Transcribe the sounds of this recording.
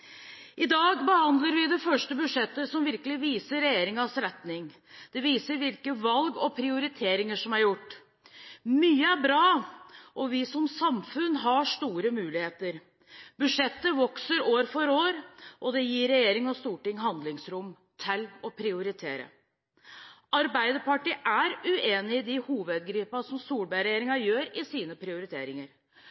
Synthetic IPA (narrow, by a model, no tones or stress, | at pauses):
ʔɪd̪ɑːɡbəhɑnd̪ləɾʋɪd̪ɛfœʂʈəbʉʂɛt̪ːəsɔmʋɪɾkəlɪʋiːsəɾɛjeːɾɪŋɑsɾɛt̪nɪŋ | d̪̥ɛʋiːsəɾʋɪlkəʋɑlɡɔpʰɾɪʊɾɪt̪ʰeːɾɪŋəʂɔmæɾjʊʈː | myːəæɾbɾɑːʔɔʋɪsɔmsɑmfʉnːɦɑʂt̪uːɾəmʉːlɪheːt̪əɾ | b̥ʉʂɛt̪ːəʋɔksəɾoːɾfɔɾoːɾʔɔd̪ɛjiːɾɛjeːɾɪŋɔst̪uːʈɪŋːɦɑnd̪lɪŋsɾʊmː | t̪ʰɪlɔpʰɾɪʊɾɪt̪ʰeːɾə̰ | ʔɑɾbæɪd̪əpɑʈiːʔæɾʉʔeːnɪɪd̪ɪhuːʋəd̪ɡɾiːpɑsɔmsuːlbæɪɾɛjeːɾɪŋɑjøːɾɪsiːnəpʰɾɪʊɾɪt̪ʰḛːɾɪŋəɾ